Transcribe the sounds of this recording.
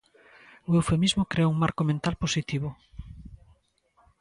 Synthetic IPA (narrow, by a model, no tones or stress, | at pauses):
oewfemizmʊkɾeauŋmaɾkomẽnt̪alposit̪iβo